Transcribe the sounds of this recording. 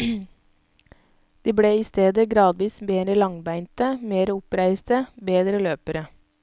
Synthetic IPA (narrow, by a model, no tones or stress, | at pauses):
d̪̥iːbɽeːiːst̪eːd̪əɡɾɑːd̪ʋiːsbeːd̪ɾəlɑŋbæɪnt̪əmeːɾəʊpɾæɪst̪əbeːd̪ɾəløːpəɾə